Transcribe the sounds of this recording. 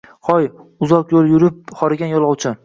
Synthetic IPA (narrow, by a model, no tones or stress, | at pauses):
χɒjʊzɒqjolˠjʊɾɪp̚χɒɾɪɡʲanjɒlˠɒwt͡ʃʰɪ